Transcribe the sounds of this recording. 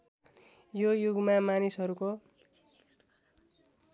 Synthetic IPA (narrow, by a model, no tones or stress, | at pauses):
jojuɡmamanisɦʌɾuko